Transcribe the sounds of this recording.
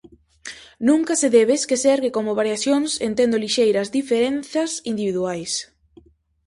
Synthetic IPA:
nũŋkɐseðeβeskesɛɾɣekomoβaɾjaθjoŋsent̪end̪oliʃejɾɐzd̪ifeɾenθɐsind̪iβiðuajs

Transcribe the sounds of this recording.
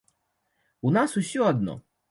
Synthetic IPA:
unasusʲɔad̪nɔ̰

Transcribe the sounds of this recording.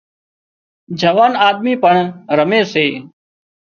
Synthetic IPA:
d͡ʒəʋaːnaːd̪̚miːpəɳɾəmeːseː

